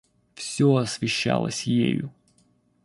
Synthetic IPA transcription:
fsʲoɐsvʲɪɕːalˠəsʲjḛjʊ

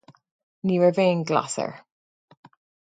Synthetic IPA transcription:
niːwəvẽːnɡla̰sə̰ɹ

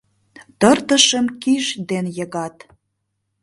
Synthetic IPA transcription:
t̪ərt̪ə̆ʃəmkiʃd̪enjə̆ɣɑt̪

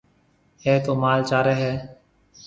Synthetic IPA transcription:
eːt̪oːmaːlt͡ʃaːɾeːɦɛː

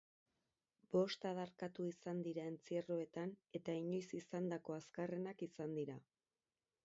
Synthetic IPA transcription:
b̥o̞st̪aðaɾkat̪uisand̪iɾae̞nt͡sieroe̞t̪ane̞t̪aiɲo̞jsisand̪ako̞askare̞nakisand̪iɾa

